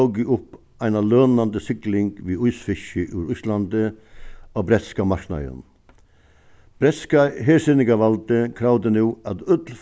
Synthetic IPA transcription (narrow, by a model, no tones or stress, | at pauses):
ɔɡɪʔʊp | æɪnaløːnand̪əsɪklɪŋɡ̥ʋiːʊʏsfɪʃəʔʉːɾʊslɑnd̪ə | oːbɾɛt̪skamɑɾknɑ̰ə̰n | b̥ɾɛt̪skaɦeːsɪnɪɡɑʋɑld̪əkʰɾɑʊd̪ənuːɑt̪œd̪l̩f